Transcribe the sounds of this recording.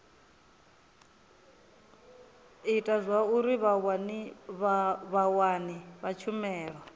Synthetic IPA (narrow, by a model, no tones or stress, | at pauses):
itʼazʷauɾiβawaniββawaniβat͡ʃʰumɛːɺa